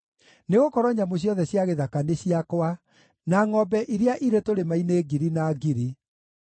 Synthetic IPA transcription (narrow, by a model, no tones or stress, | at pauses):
neɣokɔɾɔɲamoɕ̬jɔðɛɕjaɣeðakaneɕiakwa | naŋɔbɛʔiɾeaʔiɾetoɾemaineɡiɾinaːɡiɾi